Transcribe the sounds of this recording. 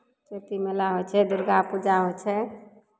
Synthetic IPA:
t͡ʃet̪imelaɦojt͡ʃʰɛd̪ʊɾɡapud͡ʒaɦot͡ʃʰɛ

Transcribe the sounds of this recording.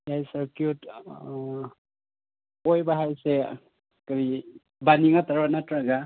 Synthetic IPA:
jajsaɾkjut | ojbaɦajse | kaɾi | baniŋataɾbanatɾaɡa

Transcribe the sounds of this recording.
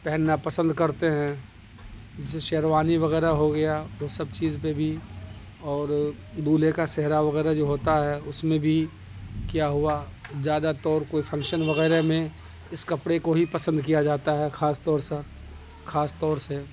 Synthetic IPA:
pɛɦɛnːapɐsə̃nd̪kɐɾt̪eɦɛ̃ | d͡ʒɪs̬eʃeːɾʋaːniʋɐɣɛːɾaɦoɡɐjaʋosɐb̚t͡ʃiːzpebʱi | ɔːɾ | d̪uːlekasɛɦɾaʋɐɣɛːɾad͡ʒoːɦoːt̪aɦɛʊsmẽbʱi | kjaɦʊazjaːd̪at̪ɔːɾkoːifʰɐ̃ŋkʃənʋɐɣɛːɾemẽ | ɪskɐpɽekoɦipɐsə̃nd̪kijad͡ʒaːt̪aɦɛxʰaːst̪ɔːɾse | xʰaːst̪ɔːɾse

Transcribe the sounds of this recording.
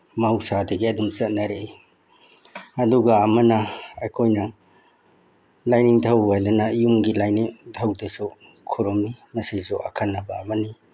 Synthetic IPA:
mɐɦusadɐɡiɐdumt͡ʃɐt̚nɐɾe | ɐduɡɐːmɐnɐɐjkʰojnɐ | lajniŋtʰawɡajdɐnɐjumɡilajniŋtʰawdesu | kʰuɾomimɐsisuʔɐ̰kʰanːɐbɐːbɐni

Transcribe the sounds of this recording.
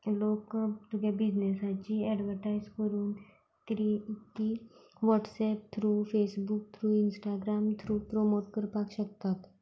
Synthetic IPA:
loːkt̪ukabid͡ʑnesãt͡ɕiɛɖʋəɾʈaizkəɾuːn | t̪ɾit̪ːiʋɔʈsɛp̚t̪ʰɾuːfesbuk̚t̪ʰɾuːinsʈaɡɾamt̪ʰɾuːpɾomoʈkəɾpakɕək̚t̪at̪

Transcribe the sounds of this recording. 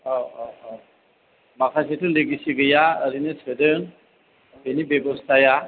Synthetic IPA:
makʰasetʰuleɡisiɡejaəɾinɯsʰɯdɯŋ | benibebɔst̪ʰaja

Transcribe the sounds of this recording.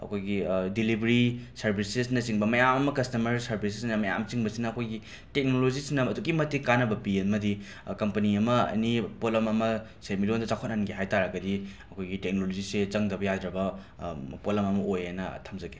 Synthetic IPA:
ɐ̰kʰojɡidilibʱeɾisɐɾbʱisesnɐsiŋbɐmɐjamɐmɐkɐstɐmɐɾsɐɾbʱisesnɐmɐja̰mt͡ʃiŋbɐsinɐɐkʰojɡi | tek̚nolozisinɐɐduɡimɐtikanɐbɐpiɐmɐdi | kɐmpɐniɐmɐɐ̰nipolɐmɐmɐ | semilondɐzakʰot̚nanɡeɦajtaɾɐɡɐdiɐkʰojɡitek̚noloziset͡ʃɐŋdɐbɐjadɾɐbɐ | polɐmɐmɐʔojanɐ̰tʰɐmd͡ʒɐɡe̥

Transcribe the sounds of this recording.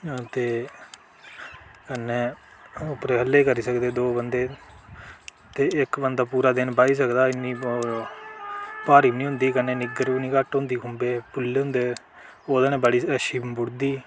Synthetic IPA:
t̪eː | kənːeː | ʊpɾeːɦəlːeːkəɾiːsəkd̪eːd̪oːbənd̪eː | t̪eːɪkbənd̪aːpuːɾaːd̪ɪnbaːiːsəkd̪aːɪnːiː | paːɾiːbnĩːɦʊ̃nd̪iːkənːeːnɪɡəɾiːniːkəʈɦʊ̃nd̪iːkʰʊmbeːpʊlːɦʊ̃nd̪eː | oːd̪əneːbəɽiːəʃiːbʊɽd̪iː

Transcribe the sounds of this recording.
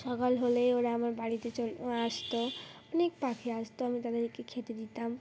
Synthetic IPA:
sɔɡɔlɦolejoɾaamaɾbaɽit̪et͡ʃolast̪oɔnek̚pakʰiast̪oamit̪ad̪eɾikːekʰet̪ed̪it̪am

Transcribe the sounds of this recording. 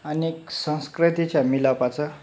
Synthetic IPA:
anieksə̃w̃skɾit̪it͡ɕjamilapat͡sə

